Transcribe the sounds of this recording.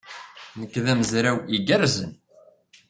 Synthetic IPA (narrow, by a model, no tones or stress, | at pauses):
nəkːðæmzɾæwiɡæɾzən